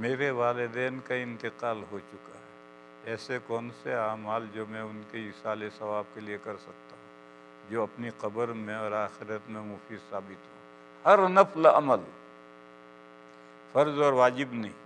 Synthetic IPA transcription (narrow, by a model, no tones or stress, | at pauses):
meːɾeʋaːlɪd̪ɛːnkaɪ̃nt̪ɪqaːlɦot͡ʃʊkaɦɛ | ɛːsekɔːnseaːmaːld͡ʒoːmɛ̃ʊnkeɪsaːlesɐʋaːb̚keliekɐɾsɐk̚t̪aɦũ | d͡ʒoːɐpniqɐbəɾmẽɔːɾaːxɪɾət̪mẽmʊfiːd̪saːbɪt̪ɦo | hɐɾnɐflɐməl | fɐɾzɔːɾʋaːd͡ʒɪbnɐɦĩː